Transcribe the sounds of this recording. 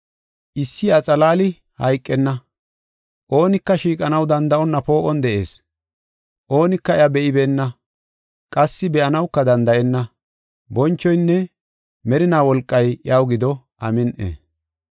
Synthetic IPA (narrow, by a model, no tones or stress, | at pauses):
ʔɪsːɪɐt͡sʼɐlaːlɪ | hɐjkʼːɛnːɐ | ʔo̞ːnɪkːɐʃiːkʼɐnɐwd̪ɐnd̪ɐʔɔnːɐpo̞ːʔɔnd̪ɛʔe̞̰ːs | ʔo̞ːnɪkːɐɛjabɛʔɪbeːnːɐ | kʼɐsːɪbɛʔɐnɐwkːɐd̪ɐnd̪ɐʔɛnːɐ | bɔnt͡ʃːɔjnːɛ | mɛɾɪnaːwɔlkʼːɐjawɡɪd̪ɔ | ʔɐmɪnʔḛ